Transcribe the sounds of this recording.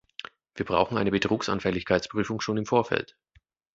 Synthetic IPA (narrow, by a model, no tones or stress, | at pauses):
viːɐbʁa̰ʊxn̩ʔaɪnəbətʁ̥uːksa̰nfɛlɪçkʰaɪtt͡spʁ̥yːfʊŋʃoːnɪmfoːɐfɛ̰lt